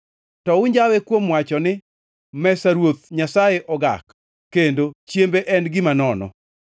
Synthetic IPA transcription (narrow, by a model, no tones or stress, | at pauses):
tɔʊɲd͡ʒawekwomwat͡ʃɔnɪ | mɛsaɾwot̪̚ɲasajeʔɔɡa̰kː | endot͡ʃjembeʔɛnɡɪmanɔnɔ̰